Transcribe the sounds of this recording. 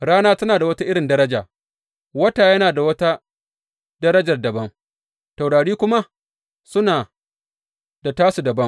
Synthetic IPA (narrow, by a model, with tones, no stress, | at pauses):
ɽaː˦naː˦tɐ˦naː˨da˨wɐ˦ta˦ʔɪ˦ɽɪ˨ndɐ˦ɾɐ˦d͡ʒaː˨ | wɐ˦taː˨jɐ˦naː˨da˨wɐ˦ta˦ | dɐ˦ɾɐ˦d͡ʒɐ˨rdɐ˨bɐ˦ŋ | ta˨wɽaː˨ɽiː˦kʷʊ˦ma˦ | sʊ˦naː˨ | da˨taː˦su˨dɐ˨bɐ˦ŋ